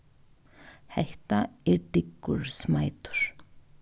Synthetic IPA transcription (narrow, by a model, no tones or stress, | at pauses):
hɛht̪aɛɾʈɪkːʏɾ̥smaːjt̪ʏ̥ɾ̥